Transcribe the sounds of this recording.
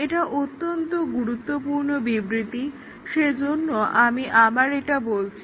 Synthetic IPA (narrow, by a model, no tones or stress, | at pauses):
eʈaʔot̪ːont̪oɡuɾut̪ːopuɾnobibɾit̪i | ʃed͡ʑonːoʔamiʔabaɾeʈabolt͡ɕʰi